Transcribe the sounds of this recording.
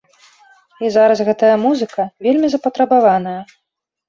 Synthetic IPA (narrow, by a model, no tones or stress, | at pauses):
izaɾɐsɣɛt̪ɐjɐmuzɨkɐvʲelʲmʲizɐpɐt̪ɾɐbavanɐjɐ